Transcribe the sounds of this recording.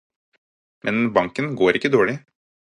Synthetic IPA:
mʔɛnbɑŋkənɡoːɾɪkːəd̪oːɭɪ

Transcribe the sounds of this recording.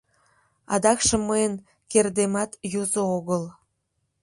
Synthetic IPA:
ɑ̰d̪ɑkʃĕmːəjən | kerd̪emɑt̪juzooɣəl

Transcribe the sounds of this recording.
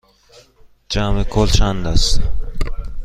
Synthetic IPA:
d͡ʒaːmekʰoːlʃaːnd̪ɐs

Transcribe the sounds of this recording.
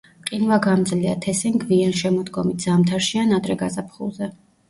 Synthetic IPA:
qʼinwaɡamd̪zliat̪ʰɛsiŋɡvianʃɛmɔd̪ɡɔmit̪̚ʰz̥amt̪ʰaɾʃianad̪ɾɛɡazapʰχṵlˠzɛ

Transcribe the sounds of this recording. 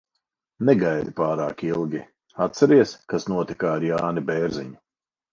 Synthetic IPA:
nɛɡajd̪ipaːɾa̰ːkilˠɡʲi | at̪sɛɾiɛskasnuɔt̪ikaːɾjaːnibɛːɾziɲu

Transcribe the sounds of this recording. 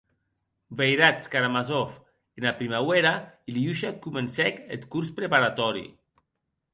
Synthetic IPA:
bejɾat͡skaɾamazɔf | enapɾimaweɾailiuʃakumensɛket̪kuɾspɾepaɾat̪ɔɾḭ

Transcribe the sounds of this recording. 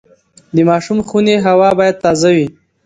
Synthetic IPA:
d̪əmɑʃumxuneɦawɑbɑjad̪̚t̪ɑzawi

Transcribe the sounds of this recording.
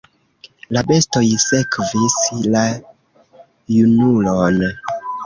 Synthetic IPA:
labe̞stojse̞kvisla | junulon

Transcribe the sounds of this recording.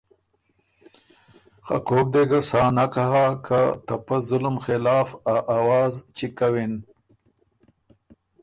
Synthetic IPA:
xa̰koːk̚d̪eɡasɑːnakaɦakat̪apazʊlʊmxɪlɑːfaʔawɑːzt͡ʃikawin

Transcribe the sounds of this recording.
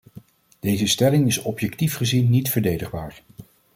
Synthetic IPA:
d̥ejzəstɛlɪŋɪsɔpjɛktifχəzinːitfəɹdejdəχbaːɹ

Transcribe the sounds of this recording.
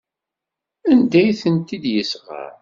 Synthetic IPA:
ænd̪æjθənt̪id̪jəsʁa̰ɾ

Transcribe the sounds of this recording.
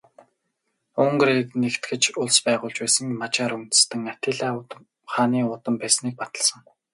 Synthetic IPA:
ɵŋɡreːknekt̪ɡɘ̆t͡ɕʊɮspæːʁʊːɮt͡ɕpæːsə̆ŋmat͡ɕaːɾun̥t̪ɘ̥̆st̪ɘ̆ŋat̪ɪːɮaː | χaːniːʊt̪ə̆mpæːsniːk̚pat̪ə̆ɮsə̆ŋ

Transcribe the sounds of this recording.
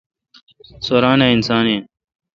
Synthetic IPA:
soːɾaːnaːinsaːneː

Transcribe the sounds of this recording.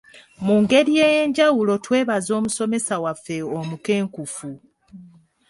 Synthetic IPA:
muːŋɡe̞ɾije̞ːje̞ɲɟawulo̞twe̞ːβazo̞ːmuso̞me̞sawafːe̞omuke̞ːŋkufu

